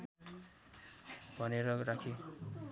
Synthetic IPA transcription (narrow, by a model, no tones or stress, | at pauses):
bʱʌneɾʌrakʰi